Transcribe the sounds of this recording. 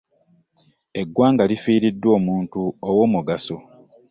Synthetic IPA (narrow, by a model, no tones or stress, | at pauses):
e̞ɡwaːŋɡalifiːɾidːwo̞ːmuːntuowo̞ːmuɡaso